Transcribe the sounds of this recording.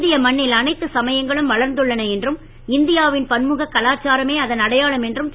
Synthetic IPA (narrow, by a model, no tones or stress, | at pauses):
d̪ɪjɐmɐɳːɪlɐnɐɪt̪ːɯsɐmɐjɐŋɡɐɭɯmʋɐɭɐɾnd̪ɯɭːɐnɐɛndrɯm | ɪnd̪ɪjaːʋɪnpɐnmɯɣɐkːɐlaːt͡ʃaːɾɐmeːɐðɐnɐɽɐjaːɭɐmɛndrɯm